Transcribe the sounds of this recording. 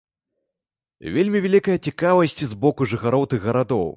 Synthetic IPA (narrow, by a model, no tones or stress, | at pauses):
vʲelʲmʲivʲalʲikɐjɐt͡sʲikavɐsʲt͡sʲizbɔkuʐɨxaɾɔwt̪ɨɣːɐɾad̪ɔw